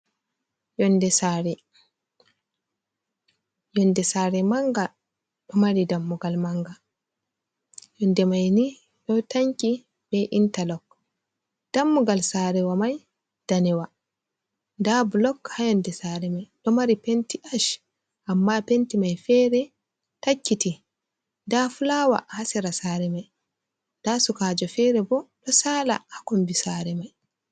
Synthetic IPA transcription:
jɔndɛsaɾɛ | jɔndɛsaːɾɛmaŋɡa | ɗ̥ɔmaɾidamːuɡalmaŋɡa | jɔndɛmajni | ɗɔwtaŋki | bɛʔintalɔkː | d̥amːuɡalsaːɾɛwamaj | d̥anɛwa | ndablɔkhajɔndɛsaɾɛmajdɔmaɾipentiʔaʃ | ʔamːapentimajfɛːɾɛ | takːiti | ndafulaːwa̰ʔhasɛɾasaɾɛmaj | nd̥asukaːd͡ʒɔfɛːɾɛbɔdɔsaːla̰hakɔmbisaɾɛmaj

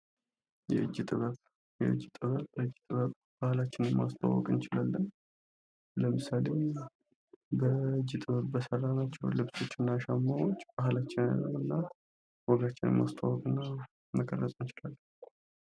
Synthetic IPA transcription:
jɛʔɨd͡ʒːt̪ʼɨβəβ | jɛ̰ʔɨ̰d͡ʒːt̪ʼɨβəβəɨd͡ʒːt̪ʼɨβəkʼb̥ahlat͡ʃːɪnɛmːa̰st̪ʰʼa̰wːɔ̰kʼɨnt͡ʃɪlalːən | ləmɨsale̞ | bəɨd͡ʒːɪt̪ʼɨβəβbəsəɾːanat͡ʃːɛwlɨβso̞t͡ʃːɨnːaʃamːawo̞t͡ʃːb̥ahlat͡ʃːɪna̰ləwɨnːa | wɔɡat͡ʃːɪnɛ̰mːa̰st̪ʰʼawɔkʼɨnːa | məkʼərːəsʼnt͡ʃɪlalː

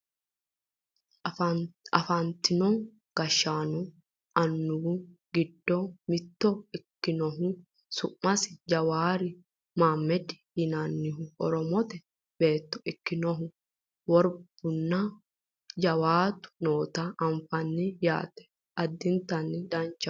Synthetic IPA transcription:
ɐfant̪ɪnɔŋ | ɡ̥ɐʃːaːnʊ | ɐnːʊʊɡɪd̪ːɔmɪt̪ːɔɪkːɪnɔɦʊ | sʊʔmɐsɪd͡ʒɐwaːɾɪ | maːmːɛd̪ɪ̥hɪnaːnːɪɦʊɔɾɔmɔt̪ɛ | be̞ːt̪ːɔ̥ʔɪkːɪnɔɦʊ | wɔɾb̥ʊnːɐ | d͡ʒɐwaːt̪ʊ̥noːt̪aʔɐɱfɐnːɪja̰ːt̪ɛ̥ | ʔɐd̪ːɪnt̪ɐnːɪd̪ɐnt͡ʃːɐ

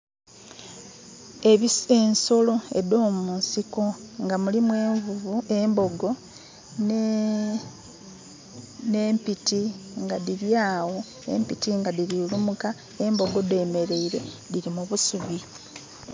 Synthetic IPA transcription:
eβie̞nso̞lo̞e̞̰do̞ːmunsiko̞ŋɡamulimwevuembo̞ɡo̞ | n | ne̞mpitiŋɡadiɾjaːwo̞ | e̞̰mpitiŋɡadiɾilumuka | embo̞ɡo̞deːme̞ɾe̞iɾe̞diɾimuβusuβi

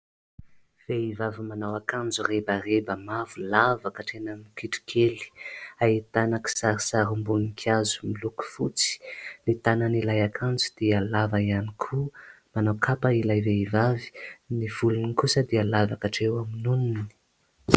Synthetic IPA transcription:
v̥eivavimanawakand͡zurebarebəmavulavakəʈ͡ʂenanikiʈ͡ʂi̥kʰeli̥ait̪anaki̥saɾisaɾumbunikʰjazumiluku̥fut͡si̥nit̪ananilajakʰand͡zud̪̥ealavaianikʰu | manawkʰapailajveivavi̥niv̥ulunikusəd̪ealavakaʈ͡ʂewaminunini̥

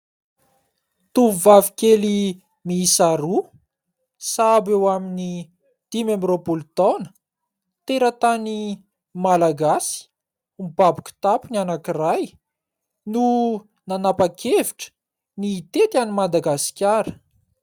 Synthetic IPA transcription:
t̪uvavikʲeli | miːsaɾu | sabewamini | d̪̥imemropult̪ɔnə̥ | t̪eɾət̪ani | malaɡasi̥ | mibabu̥kʲu̥t̪apunanakiraj | nu | nanapakʰeviʈ͡ʂə̥ | niːt̪et̪animad̪aɡasi̥kʲaɾə̥

